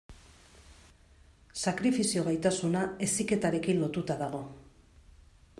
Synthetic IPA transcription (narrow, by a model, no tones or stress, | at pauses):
sakɾifisio̞ɣajt̪asunae̞sike̞t̪aɾe̞kinlo̞t̪ut̪aðaɣ̞o̞